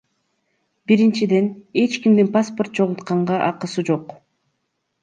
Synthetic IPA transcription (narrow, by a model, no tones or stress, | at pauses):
biɾint͡ʃid̪e̞ne̞t͡ʃkimd̪inpaspo̞rt̪̚t͡ʃʰo̞ʁut̪qɑɴʁɑʔɑqɯsɯd͡ʒo̞q